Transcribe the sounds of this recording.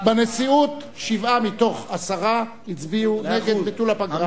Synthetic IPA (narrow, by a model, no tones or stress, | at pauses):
benesiut | ʃivamito̞χasaʁa | hit͡sbiuneɡed̪bitulapaɡʁa